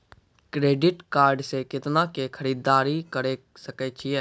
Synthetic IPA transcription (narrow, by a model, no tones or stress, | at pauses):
kɾeːɖɪʈkaːɾɖsekɪt̪nakekʰəɾiːd̪aːɾikəɾe | səkɛt͡ʃʰɪjɛː